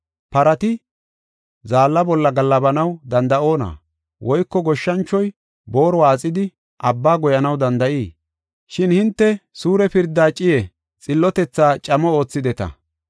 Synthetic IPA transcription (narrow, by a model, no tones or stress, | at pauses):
pɐɾɐt̪ɪ | zaːlːɐbɔlːɐɡɐlːɐbɐnɐwd̪ɐnd̪ɐo̞ːna̰ː | wʔɔjkːɔɡɔʃːɐnt͡ʃːɔj | bo̞ːɾɔwaːt͡sʼːɪd̪ɪ | ʔɐbːaːɡɔjɐnɐwd̪ɐnd̪ɐʔiː | ʃɪnhɪnt̪ːɛsuːɾɛpɪɾd̪ːaːt͡ʃʼɪjɛ | t͡sʼɪlːɔt̪ɛt͡sːaːt͡ʃʼɐmɔo̞ːt͡sːɪd̪ɛt̪ɐ̰